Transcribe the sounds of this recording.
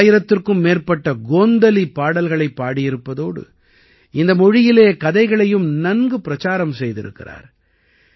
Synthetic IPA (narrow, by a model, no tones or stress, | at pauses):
jɪɾɐt̪ːɪrkɯmːeːrpɐʈːɐɡoːnd̪ɐlipːaːɽɐlɣɐɭɐɪpːaːɽɪjɪɾɯpːɐðoːɽɯ̰ | ɪnd̪ɐmɔɻɪjɪleːkɐðɐɪɣɐɭɐjɯmnɐnɡɯpːɪɾɐt͡ʃaːɾɐmsɛjðɪɾɯ̰kːɪ̰ra̰ːɾ